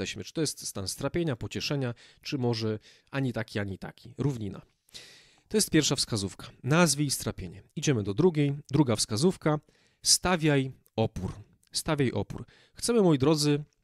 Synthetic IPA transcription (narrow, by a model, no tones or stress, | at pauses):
ɛɕmɘt͡ʂɨ̥t̪ɔjɛst̪st̪anst̪ɾapʲjeɲapɔt͡ɕɛʂɛɲat͡ʂɘmɔʐɛʔaɲit̪akʲiaɲit̪a̰kʲiɾuvɲina̰ | t̪ɔjɛst̪pʲjɛɾfʂafskazufkḁnazvəist̪ɾapʲjeɲɛid͡ʑɛmɘd̪ɔd̪ɾuɡʲejd̪ɾuɡafskazufka | st̪avʲjaj | ɔpuɾ | st̪avʲjajʔɔ̰pṵɾ | xt̪sɛmɘmɔjid̪ɾɔd̪zɘ